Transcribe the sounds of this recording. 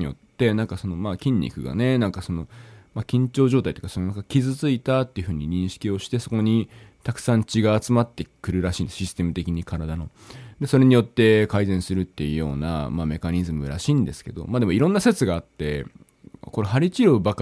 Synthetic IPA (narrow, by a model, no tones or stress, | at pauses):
ijo̞̰t̪ːe̞nãŋkaso̞no̞maːkʲĩɲ̟ʲːḭkɯ̟ɡa̰ne̞nãŋkaso̞no̞makʲĩɲ̟t͡ɕo̞ːʑo̞ːt̪ai̥t̪o̞kasononakakʲizɨt͡sɨit̪at̪ːe̞iɯ̟ɸɯ̟ːɲ̟iɲ̟ĩɰ̃ɕi̥kʲio̞ɕi̥t̪e̞so̞ko̞ɲ̟it̪akɯ̟̥sãɲ̟t͡ɕiɡaːt͡sɨmat̪ːe̞kɯ̟ɾɯ̟ɾaɕiːnd̪esɕisɨ̥t̪e̞mɯ̟t̪e̞kʲiɲ̟ikaɾad̪ano̞d̪e̞so̞ɾe̞ɲ̟ijo̞t̪ːe̞kaizẽ̞ɰ̃sɨɾɯ̟t̪ːe̞jɯ̟jo̞ːna̰mame̞kaɲ̟izɨmɯ̟ɾaɕĩːnd̪e̞sɨ̥ke̞d̪o̞̰maːd̪e̞mo̞iɾõ̞nːase̞t͡sɨɡaːt̪ːe̞̰ | ko̞ɾe̞ɦaɾʲit͡ɕiɾobak